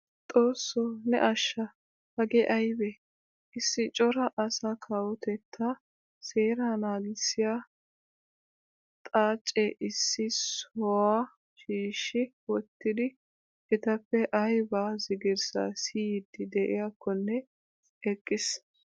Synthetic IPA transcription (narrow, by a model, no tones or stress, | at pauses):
t̪ʼo̞ːsːoːnɛ̰ʔɐʃːɐ | hɐɡɛʔɐjbɛ | ʔɪsːɪt͡ʃʼɔɾɐʔɐsaːkʰaːwɔt̪ɛt̪ʰːɐ | se̞ːɾɐnaːɡɪsːɪja | t̪ʼaːt͡ʃʼːeʔɪsːɪsɔwa | ʃiːʃːɪ | wɔt̪ːɪd̪ɪ | ɛt̪ɐpːɛʔɐjbaːzɪɡɪɾsa̰ːsiːd̪ːɪd̪ɛʔɪ̰jakːɔnːɛ | ɛkʼːɪs